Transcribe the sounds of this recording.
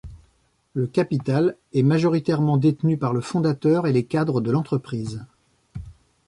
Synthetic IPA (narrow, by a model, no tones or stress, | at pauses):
ləkapit̪al | ɛmaʒɔʁit̪ɛʁmɑ̃d̪et̪nypaʁləfɔ̃d̪at̪œʁelekad̪ʁəd̪əlɑ̃t̪χəpχiːz